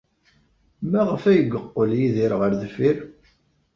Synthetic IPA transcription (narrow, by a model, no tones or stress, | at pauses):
mæʁəfæjəɡəqːəljiðiɾʁəɾðəfiɾ